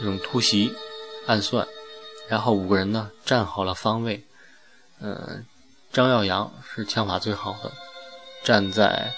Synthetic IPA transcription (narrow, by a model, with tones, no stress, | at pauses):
nɤ˥˩ʈ͡ʂʊ˨˩ŋt̪ʰu˥ɕi˧˥a˥˧nswa̰˥˩nɻa˧˥nxo˥˩ʊu˨˩ɡə˦ɻə˧˥nə˧ʈ͡ʂa˥˩nxɑ˨˩ʊlə˦fɑ˥ŋwe˥˩ɪ | ə̰˧˩ | ʈ͡ʂɑ˥ŋjɑ˥˩ʊjɑ˧˥ŋʂɻ̩˥˩t͡ɕʰjɑ˧˥ŋfa˨˩t͡swe˥˩ɪxɑ˨˩ʊd̪ə̰˦ʈ͡ʂa˥˧nt͡sa̰˥˩ɪ